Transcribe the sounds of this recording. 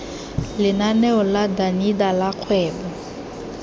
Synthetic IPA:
lɪnanɛɔladanidalaq͡χʰwɛːbɔ

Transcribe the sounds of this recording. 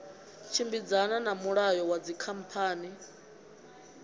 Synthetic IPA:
t͡ʃʰimbid͡zananamuɺajɔwad͡zikʰam̩pʰaːni

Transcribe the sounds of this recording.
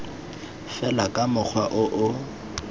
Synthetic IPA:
fɛlakʼamʊk͡xʰwaʔʊʔʊ

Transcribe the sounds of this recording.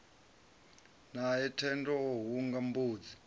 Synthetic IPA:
naɛtʰɛndɔoɦuŋɡambuːd͡zi

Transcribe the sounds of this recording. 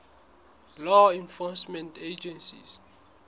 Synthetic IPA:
lɔĩnfɔsmɛ̃nted͡ʒɛ̃nsḭs

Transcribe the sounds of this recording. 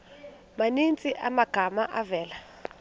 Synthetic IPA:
manint͡sʼiʔamaɡ̥ʱamaʔavɛːla

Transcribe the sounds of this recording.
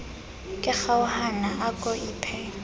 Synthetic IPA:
kʼɪk͡xaʊhanaʔakʼɔiːpʰɛ

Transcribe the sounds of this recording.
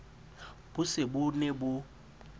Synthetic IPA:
b̥ʊsɪbʊnebʊ

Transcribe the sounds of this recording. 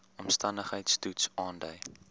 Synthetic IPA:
ɔmstɐndəχɦəjtstutsɑːndəj

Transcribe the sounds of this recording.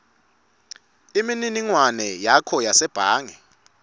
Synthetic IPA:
imininiŋwanɛjakʰɔjasɛb̥ʱaːŋɛ

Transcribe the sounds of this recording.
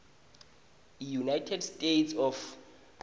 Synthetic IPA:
ijunajtʰɛdstʼetsɔf

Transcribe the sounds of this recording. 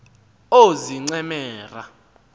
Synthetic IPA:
oziŋ͡ǀɛmɛːra

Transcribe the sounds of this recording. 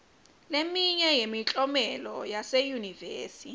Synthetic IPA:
lemiɲɛjemit͡ɬʼɔmɛlɔjasejuniveːsi

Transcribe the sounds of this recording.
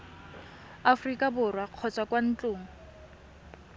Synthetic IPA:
afʊrikʼabʊrwaq͡χʰɔt͡sʼakʼwan̩t͡ɬʼʊːŋ̩

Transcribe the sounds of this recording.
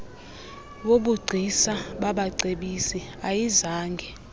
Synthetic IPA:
ɓoɓuɡ͡ǀʱisaɓaɓaǀeɓisiajizaːŋɡʱɛ

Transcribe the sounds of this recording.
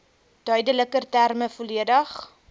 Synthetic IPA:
d̥œɥdələkərtærməfoliədəχ

